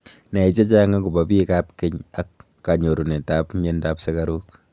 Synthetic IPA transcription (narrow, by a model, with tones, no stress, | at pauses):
na˨i˨t͡ʃe˦t͡ʃa˦ŋa˦k̬u˨ba˨pi˦ka˦p̚kɪ˦ɲa˦kː | a˨ɲo˨ɾu˨ne˨ta˦pme˦nda˦pse˦ka˦ɾu˦k